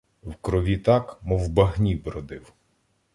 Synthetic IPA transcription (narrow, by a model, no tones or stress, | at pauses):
wkɾɔʋʲit̪ɑkmɔwbɐɦnʲibɾɔd̪ɪw